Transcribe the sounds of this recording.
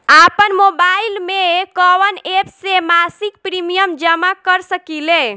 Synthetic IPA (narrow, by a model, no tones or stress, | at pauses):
apənmobailmekəʋənepsemasik̚pɾimijəmd͡ʒəmakəɾsəkile